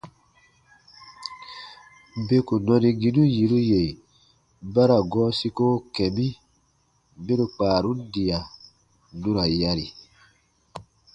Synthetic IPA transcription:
be˦ku˨nɔ˧ni˨ɡi˦nu˦ji˨ɾu˦je˨ | ba˦ɾa˨ɡɔː˦si˦ko˦kɛ˨bi˦ | be˦ɾu˨k͡paː˨ɾu˦n˦di˨a˨ | nu˦ɾa˨ja˦ɾi˨

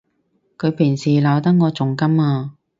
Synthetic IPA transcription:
kʰɵ˨˧ɥpʰɪ˨˩ŋsiː˨laː˨˧wt̪ɐ˥ŋ̚ŋɔː˨˧t͡sʊ˨ŋkɐ˥maː˧

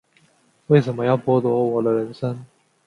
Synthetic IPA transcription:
we˥˩ɪʂ̬ə˨˧˥nmə˦jɑ˥˩ʊpwɔ˥t̪wɔ˧˥wɔ˨˩d̪ə˦ɻə˧˥nʂə˥ŋ

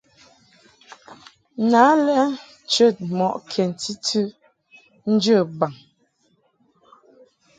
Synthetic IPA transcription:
na˨˦lɛ˦ | t͡ʃə˦˨t̚mɔ˨ʔkʰjɛ˨n˨ti˦tʰʉ˦ | n̩˦d͡ʒə˦˨ba˨ŋ

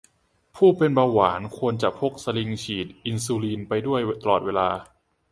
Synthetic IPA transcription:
pʰuː˥˩pe˧nbaː˧waː˩˦nkʰu˧ənt͡ɕa˨˩pʰo˦˥˩k̚sa˧li˧ŋt͡ɕʰiː˨˩t̪̚ʔi˧nsuː˧liː˧npa˧jdu˥˩əjt̪a˧lɔː˨˩t̪̚weː˧laː˧

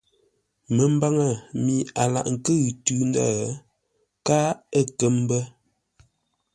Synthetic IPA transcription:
mə˨m̩˦ba˦ŋə˨mi˨a˨la̰˨ʔŋ̩˨kə˦ɣtʉ˦n˦da̰˦˨˦ | ka˦ə˦˨kə˦m˦bə˦

